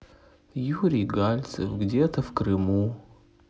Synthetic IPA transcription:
juɾʲijɡalʲt̪sɨfɡdʲet̪ʰəfkrɨmu

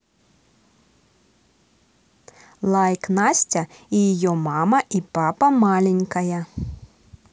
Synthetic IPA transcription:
lˠajknasʲt͡sʲɐijajɔmamɐʔipapɐmalʲɛnʲkɐjɐ

